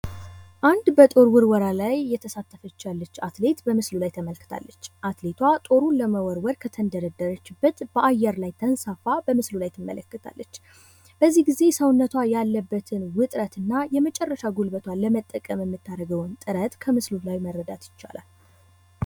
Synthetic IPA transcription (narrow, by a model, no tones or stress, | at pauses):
ʔand̪bət̪ʼo̞ɾwɨɾwɔɾalajːɛt̪ʰəsat̪ːəfət͡ʃːalːət͡ʃːat̪le̞t̪bəmɨslulajt̪ʰəməlkːɨ̥t̪ʰa̰lːət͡ʃːʔat̪le̞t̪ʰwat̪ʼo̞ɾuləməwɔɾwɔɾkʰət̪ʰənd̪əɾəd̪əɾət͡ʃːɪbːət̪b̥əʔajːɛɾlajt̪ʰənsafabəmɨslulajt̪ʰɨmːə̰ləkːɨt̪ʰa̰lːət͡ʃː | b̥əzːihɡize̞səwnːət̪ʰwajalːəbːət̪ʰɨnwʊt̪ʼɾət̪ɨnːajɛmət͡ʃʼɛrːəʃaɡulbət̪ʰwaləmət̪ʼːəkʼəmjɛmːɨt̪ʰːaɾəɡəwnt̪ʼɨɾət̪kʰəmɨslulajməɾːəd̪at̪jɪ̥t͡ʃːa̰la̰l